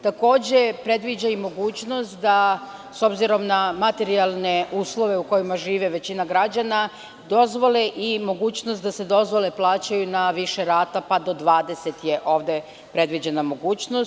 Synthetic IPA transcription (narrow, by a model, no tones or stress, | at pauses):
t̪ako̞ːd͡ʑe̞pɾe̞d̪ʋid͡ʑaimo̞ɡuːt͡ɕno̞st̪d̪aso̞bziɾo̞mnamat̪e̞ɾialˠne̞uːslˠo̞ʋe̞uko̞jimaʒiːʋeʋe̞t͡ɕinaɡɾad͡ʑana | d̪o̞zʋo̞leʔimo̞ɡuːt͡ɕnost̪d̪ase̞d̪o̞zʋo̞le̞plˠaːt͡ɕajunaʋiʃe̞ɾaːt̪apad̪o̞d̪ʋaːd̪e̞se̞t̪je̞ʔo̞ːʋd̪e̞ | pɾe̞d̪ʋid͡ʑe̞namo̞ɡuːt͡ɕnos